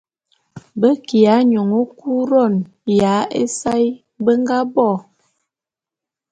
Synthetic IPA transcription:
bə˦ki˨a˨˦ɲɔ˨ŋo˦ku˦ɾɔ˦˨n | ja˨˦e˦sa˦j | bə˦ŋɡa˦bɔ˦˨

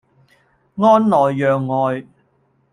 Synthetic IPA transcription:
ŋɔː˥nlɔː˨˩jːœː˨ŋːɔː˨˧j

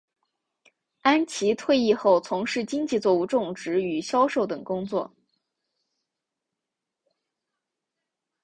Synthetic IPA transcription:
a˥nt͡ɕʰi˧˥t̪ʰwe˥˧ɪi˥˧xo˥˩ʊt͡sʰʊ˧˥ŋʂɻ̩˥˩t͡ɕi˥ŋt͡ɕi˥˧t͡swɔ˥˧u˥˧ʈ͡ʂʊ˥˩ŋʈ͡ʂɻ̩˧˥y˨˩ɕjɑ˥ʊʂo˥˩ʊt̪ɤ˨˩ŋkʊ˥ŋt͡swɔ˥˩

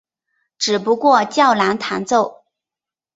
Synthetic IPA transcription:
ʈ͡ʂɻ̩˨˩pu˧˥kwɔ˥˧t͡ɕjɑ˥˩ʊla˧˥nt̪ʰa˧˥nt͡so˥˩ʊ

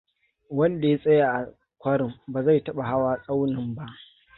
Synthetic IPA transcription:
wɐ˦nda˨ja˦sʼɐ˦jaː˨ʔa˨ | kʷɐ˦ɽɪ˨mbaː˨za˦˨jtɐ˦ɓa˨ɦa˦waː˦sʼa˦wnɪ˨mba˦ʔ

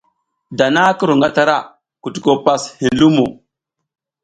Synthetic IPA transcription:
da˨na˦ku˦ɾu˨ŋɡa˦ta˨ɾa˦ | ku˨tu˨ko˦˨pa˦shi˨lu˦mo̰˨

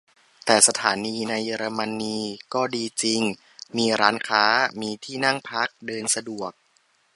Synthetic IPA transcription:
t̪ɛː˨˩sa˧t̪ʰaː˩˦niː˧na˧jːeː˧ɾa˧ma˧nːiː˧kɔː˥˩diː˧t͡ɕi˧ŋ | miː˧ɾaː˦˥nkʰaː˦˥miː˧t̪ʰiː˥˩na˥˩ŋpʰa˦˥k̚dɤː˧nsa˧du˨˩ək̚

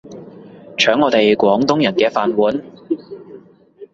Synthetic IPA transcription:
t͡ʃʰœː˨˥ŋːɔː˨˧t̪e˨jkʷɔː˨˥ŋt̪ʊ˥ŋjɐ˨˩nkɛː˧faː˨nwuː˨˥n

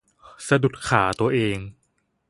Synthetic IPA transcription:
sa˧du˨˩t̪̚kʰaː˩˦t̪u˧ɐʔeː˧ŋ

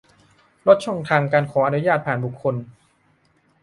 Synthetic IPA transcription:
ɾo˦˥t̪̚t͡ɕʰɔ˥˩ŋt̪ʰaː˧ŋkaː˧nkʰɔː˩˦ʔa˧nu˦˥jaː˥˩t̪̚pʰaː˨˩nbu˨˩kʰːo˧n

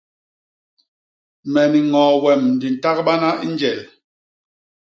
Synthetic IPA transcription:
mɛ˨ni˨ŋɔː˨wɛ˨mn̩˨di˨n̩˨ta˦k̚ɓa˦na˦ʔi˦nd͡ʒɛ˨l

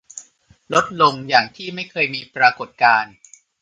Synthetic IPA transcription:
lo˦˥t̪̚lo˧ŋjaː˨˩ŋt̪ʰiː˥˩ma˥˩jkʰɤː˧jmiː˧pɾaː˧ko˨˩t̪̚kaː˧n

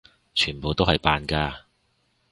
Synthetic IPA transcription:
t͡ʃʰyː˨˩npo˨wt̪o˥hɐ˨jpaː˨nkaː˧

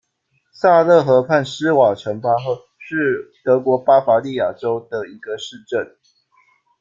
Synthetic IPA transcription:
sa˥˧lə˥˩xɤ˧˦pʰa˥˨˩ns̩˦wa˨˩ʈ͡ʂʰə˧˥ŋpa˥xə˥˧ | ʂɻ̩˥˩t̪ɤ˧˥kwɔ˧˥pa˥fa˧˥li˥˨ja˨˩ʈ͡ʂo˦ʊd̪ə˨i˧˥ɡ̥ə˧ʂɻ̩˥˧ʈ͡ʂə˥˨n

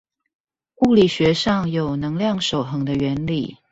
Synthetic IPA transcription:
u˥˩li˨˩ɕɥɛ˧˦ʂɑ˥˩ŋjo˨˩ʊnɤ˧˥ŋljɑ˥˩ŋʂo˨˩ʊxɤ˧˥ŋd̪ə˧ɥɛ˧˦nlḭ˨˩

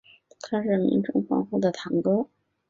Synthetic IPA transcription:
t̪ʰa˥ʂɻ̩˥˩mḭ˧˥ŋʈ͡ʂʊ˥ŋfɑ̰˥ŋxu˥˩d̪ə˩t̪ʰɑ˧˥ŋkɤ˥ʊ

